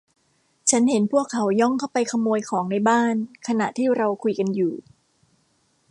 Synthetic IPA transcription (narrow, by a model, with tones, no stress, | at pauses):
t͡ɕʰa˦˥nhe˩˦npʰu˥˩əkʰːa˩˦wjɔ˥˩ŋkʰa˥˩wpa˧jkʰa˧moː˧jkʰɔː˩˦ŋna˧jbaː˥˩nkʰa˧na˨˩ʔt̪ʰiː˥˩ɾa˧wkʰu˧jka˧njuː˨˩